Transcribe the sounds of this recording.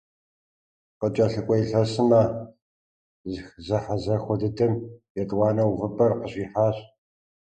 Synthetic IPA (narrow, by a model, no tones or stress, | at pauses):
qət͡ʃʼɐɬɨkʷʼɔjɬɐsɨmɐ | zxzɐħazɐxʷɔdɨdɨmjɛtʼwɑːnɐwvɨpʼɐrqəɕiːħaːɕ